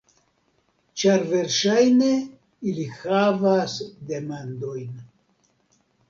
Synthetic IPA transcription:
t͡ʃaɾve̞ɾʃajne̞ | ilihavasd̪e̞mand̪o̞jn

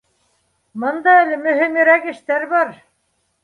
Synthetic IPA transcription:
mɤ̆nd̪ɑælɘmɵ̆ɦɘmɾækɘ̆ʃt̪æɾbɑɾ

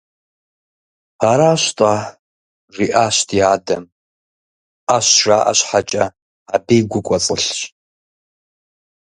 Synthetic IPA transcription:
aɾaʃʷtʼa | riʔaʃʷtʰiadam | aʃʷraʔa̰ʃʷħat͡ʃʼa | abejɡʷʊkʷʼat͡sʼɨɬʃʼ

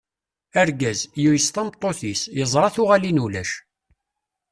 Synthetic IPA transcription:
æɾɡæzjujəst̪ɑmt̪ˤːoθisjəzˤɾˤɑθʊʁælinulæʃ

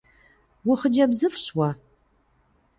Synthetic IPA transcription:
wʊχəd͡ʒɐbzɨfɕwɐ

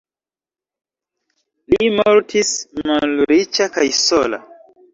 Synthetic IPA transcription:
limɔɾtʰismalɾit͡ʃakajsɔla̰

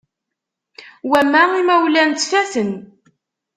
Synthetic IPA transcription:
wæmːæimæwlænt̪fæθən

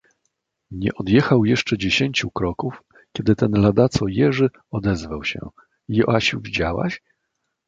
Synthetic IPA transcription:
ɲɛ̰ʔɔd̪jɛxawjɛʂt͡ʂɛd͡ʑeɕeɲt͡ɕukɾɔkuf | kʲɛd̪ɘt̪ɛnlad̪at̪sɔjɛʐɘ | ɔd̪ɛzvawɕɛ̰ | jɔʔaɕuvʲid͡ʑawa̰ɕ

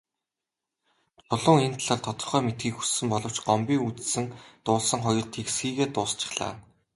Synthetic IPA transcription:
t͡sʊɮʊːŋent̪ʰaɮaːɮt̪ʰɔt̪ɞ̆rχœːmet̪ɡiːkxu̥sːɘ̆mpɔɮɞ̆w̥t͡ɕɢɔmpʲiːŋut͡ssɘ̆ŋt̪ʊːɮsə̆ŋχɔjɞ̆rt̪ʰeksɡiːɣeːt̪ʊːst͡ɕɪ̆χɮa̰ː

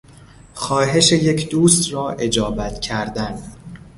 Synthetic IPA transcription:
xɒːɦe̞ʃe̞je̞cʰd̪uːst̪ɾɒːʔe̞d͡ʒɒːbæt̪ʰcʰæɾd̪æn

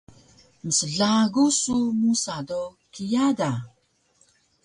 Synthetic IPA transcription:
məsəɮaɡusumusado | kijada

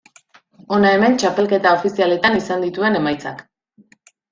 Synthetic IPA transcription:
o̞nae̞me̞nt͡ʃape̞lke̞t̪ao̞fisiale̞t̪anisand̪it̪ue̞ne̞majt͡sa̰k

